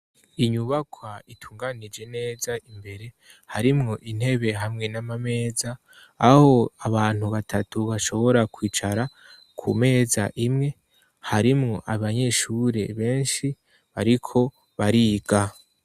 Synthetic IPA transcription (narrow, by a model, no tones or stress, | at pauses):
iɲuβakʰwaitʰuːŋɡanid͡ʒe̞ne̞ːzaimbe̞ɾe̞ | haɾimŋo̞ʔin̥he̞βe̞ɦamŋe̞namame̞ːzaː | ho̞aβaːn̥huβatʰatuβaʃo̞βo̞ɾakwiːt͡ʃaɾa | kʰṵme̞ːza̰ʔimŋe̞ | haɾimŋo̞ʔaβaɲe̞ʃuɾe̞̰βe̞ːnʃi | βaɾikʰo̞ | βaɾiːɡa